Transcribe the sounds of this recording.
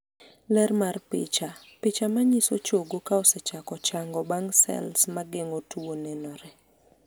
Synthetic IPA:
lɛrmarpɪ̰t͡ʃa | pɪt͡ʃamaɲisot͡ʃoɡokaɔsɛt͡ʃakɔt͡ʃaŋɡɔbaŋsɛ̰lsmaɡɪŋotuonɛnɔɾɛ

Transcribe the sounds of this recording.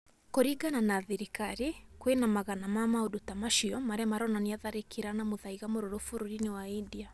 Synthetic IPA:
kɔɾiɡananaðiɾikaɾikwenamaɣanamamaudutamaʃiɔmaɾɛmaɾɔnaniaðaɾikʰiɾanamoðaiɣamoɾɔɾofuɾuɾiniwaindia

